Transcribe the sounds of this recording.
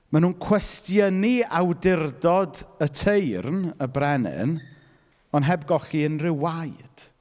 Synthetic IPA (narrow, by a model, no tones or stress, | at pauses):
manuːnkʰw̥ɛstjəniawdɪrdɔdətʰejrnəbrɛnɪ̰n | ɔnɦɛbɡɔɬiənrɪwajd̥